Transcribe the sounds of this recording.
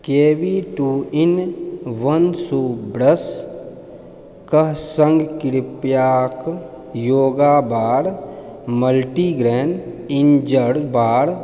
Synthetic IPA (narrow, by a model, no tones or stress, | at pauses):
keːbiʈuɪnʋənsuːbɾəs | kəɦsəŋɡkɪɾpjaːk | joːɡaːbaːɽ | məlʈiːɡɾeːnɪnd͡ʒəɽbaːɽ